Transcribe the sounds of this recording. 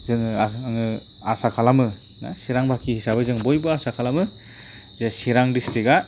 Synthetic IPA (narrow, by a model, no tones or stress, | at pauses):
zɯŋɯaŋɯ | asakʰalamɯ | na̰siɾaŋbʱakʰihisabɯzɯŋbɔjbɯasakʰalamɯ | zesiɾaŋdistika